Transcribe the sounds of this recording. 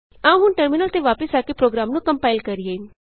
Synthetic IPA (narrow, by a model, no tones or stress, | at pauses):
aːũɦʊnʈəɾmɪnəlt̪eʋaːpəsaːkepɾoːɡɾaːmnũːkə̃mpaːɪlkəɾɪjeː